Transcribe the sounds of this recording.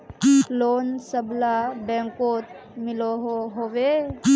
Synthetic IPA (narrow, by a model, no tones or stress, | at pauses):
loːnsəblabɛ̃ŋkoːt̪̚ | mɪloɦoɦowe